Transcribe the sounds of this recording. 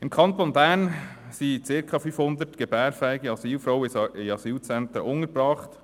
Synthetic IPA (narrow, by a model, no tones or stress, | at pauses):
ɪmkʰɑnt̪onbæn | siːt͡sɪɾkʰɑfyːfhʊnd̪ətɡ̥ɛbɛːɾfɛɪɡɛɑsiːlfɾɔwɪɑsiːlt͡sɛnt̪ɾəʔʊŋəɾbɾɑːχt